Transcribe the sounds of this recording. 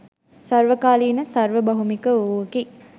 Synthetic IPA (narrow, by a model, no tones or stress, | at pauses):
sɐrʋəkaːliːnəsɐrʋəbɐɦumikəuəki